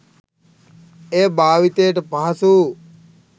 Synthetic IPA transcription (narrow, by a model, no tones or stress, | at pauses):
eːbaːʋit̪ejʈəpaɦɐsuː